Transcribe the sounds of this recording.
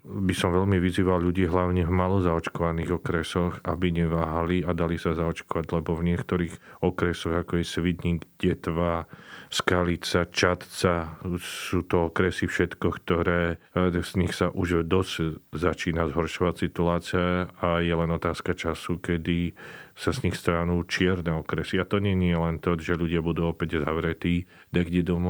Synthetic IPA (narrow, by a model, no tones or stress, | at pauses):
bisɔmʋɛʎmiʋiziːʋalʎuɟiːɦlaʊɲɛvmalɔzaɔt͡ʃkɔʋaniːɣɔkɾɛsɔxabiɲɛʋaːɦaliad̪alisazaɔt͡ʃkɔʋaɟlɛbɔvɲɪɛkt̪ɔɾiːɣɔkɾɛsɔɣakɔjɛsʋid̪ɲiɡɟɛt̪ʋaskalit͡sat͡ʃat̪t͡sasuːt̪ɔɔkɾɛsifʃɛt̪kɔkt̪ɔɾɛː | z̥ɲixsaʔuʒd̪ɔzzat͡ʃiːnazɦɔɾʃɔʋacsit̪ulaːt͡siaajɛlɛnɔt̪aːskat͡ʃasukɛd̪isazɲixst̪ɾanuːt͡ʃɪɛɾnɛɔkɾɛsiat̪ɔɲɛɲɪɛlɛnt̪ɔʒɛʎuɟɪabud̪uːɔpɛɟzaʋɾɛt̪iː | d̪aɡɟɛd̪ɔmɔ